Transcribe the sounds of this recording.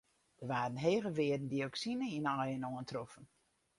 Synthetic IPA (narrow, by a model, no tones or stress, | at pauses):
d̥ərʋaːrən̩ɦeːɣəʋɪədn̩dioksinəinɔjənoəntrofən